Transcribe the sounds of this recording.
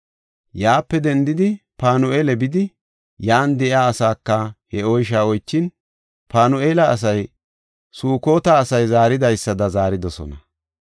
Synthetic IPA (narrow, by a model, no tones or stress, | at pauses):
jaːpːɛd̪ɛnd̪ɪd̪ɪpaːnʊeːlɛbɪd̪ɪ | jaːnd̪ɛʔɪaːsaːkːɐhɛɔjʃaːɔjt͡ʃːɪn | paːnʊeːlɐɐs̬ɐj | suːko̞ːt̪aːsɐjzaːɾɪd̪ɐjsːɐd̪ɐzaːɾɪd̪ɔsɔ̰nɐ